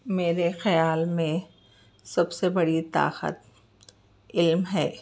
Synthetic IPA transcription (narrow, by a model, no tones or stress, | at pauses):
meːɾexɐjaːlmẽ | sɐbsebɐɽit̪a̰ːqə̰t̪̚ | ɪlmɦɛː